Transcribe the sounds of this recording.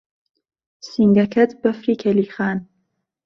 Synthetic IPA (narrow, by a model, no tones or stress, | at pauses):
siŋɡɐkʰɐt̪bɐfɾiːkʰɛliːxaːn